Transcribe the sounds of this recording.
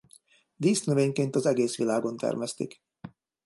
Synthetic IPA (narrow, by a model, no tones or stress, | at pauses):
d̪iːsnøveːɲkeːnt̪ɒzɛɡeːsʋilaːɡo̞nt̪ɛ̰rmɛst̪ḭk